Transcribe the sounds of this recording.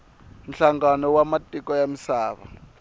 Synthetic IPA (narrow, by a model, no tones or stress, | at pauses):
n̩ɬaŋɡanɔwamatʼikʼɔjamisaːβa̰